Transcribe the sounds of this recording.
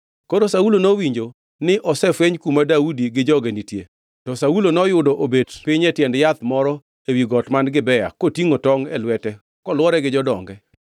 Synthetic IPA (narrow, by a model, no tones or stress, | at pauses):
koɾosaulonowiɲd͡ʒo | nɪʔɔsɛfeɲkumadaudiɡɪd͡ʒɔɡenitje | tɔsaulonɔjʊdɔʔobedpɪɲɛtjɛndjat̪mɔɾɔ | ewiɡɔtmanɡɪbɛja̰kotiŋotɔŋɛ̰lwɛtɛ | kɔlwɔɾɛɡɪd͡ʒɔdɔ̰ŋɡɛ